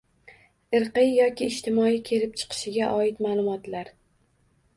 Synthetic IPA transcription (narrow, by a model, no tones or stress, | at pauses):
ɪɾqɨjjɒkʲʰɪːʃt̪ʰɪmɒikʲʰe̞lɪp̚t͡ʃʰɨ̥qʰɨ̥ʃɪɡʲaʔɒɪt̪maːlˠʊmɒt̪laɾ